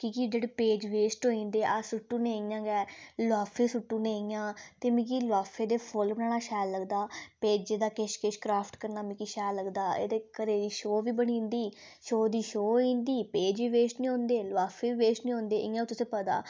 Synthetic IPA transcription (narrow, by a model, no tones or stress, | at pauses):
kiːkid͡ʒeːɽeːpeːd͡ʒʋeːsʈɦoːĩːnd̪eːʔasʊʈːũːnẽːiːjãːɡɛːlaːfʰeːsʊʈːũːnẽːjãːt̪eːmĩːk̬iːlʋaːfʰeːd̪eːpʰolbənaːɽaːʃɛːlləɡd̪aːpeːd͡ʒed̪aːkeʃkeʃkɾaːpʰʈkəɾnaːmĩːkiːʃɛːlːəɡd̪aːḛːd̪eːkəɾeːd̪iːʃoːʋiːbəɽ̃ĩːnd̪iː | ʃoːd̪iːʃoːĩːnd̪iːpeːd͡ʒʋiːʋeːsʈnĩɦõːnd̪eːlʊʋaːfʰeːʋiːʋeːsʈnĩːɦõːnd̪eːʔɪjãːt̪ʊsẽːpəd̪a̰ː